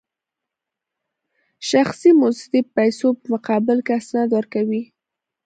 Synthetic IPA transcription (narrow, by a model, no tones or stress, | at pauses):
ʃaxsimʊsd̪ipajsopəmʊqɑbɪlkɪasnɑd̪wəɾkawi